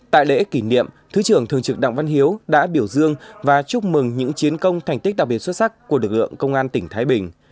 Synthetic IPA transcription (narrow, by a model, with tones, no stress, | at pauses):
t̪a̰ː˧˨jlḛ˧˥ki˧˩nḭ˧˨əm | t̪ʰɨ˨˦t͡ɕɨ˨˩əŋt̪ʰɨ˨˩əŋt͡ɕɨ˨˩k̚ɗa̰˧˨ŋva˧nɦi˨˦əwɗa̰ː˧˥ɓi˧˩əwzɨ˧əŋvaː˨˩t͡ɕu˦˥k͡p̚mɨ˨˩ŋɲɨ̰˧˥ŋt͡ɕi˨˦ənkə˧wŋ͡mt̪ʰa˨˩ŋ̟˦˥k̟̚ɗa˨˩k̚ɓtswt̚sa˦˥kku˧˩əlɨ˨˩k̚lɨ̰˧˨əŋkə˧wŋ͡mʔaː˧nt̪ï˧˩ŋ̟t̪ʰaː˨˦jɓï˨˩ŋ̟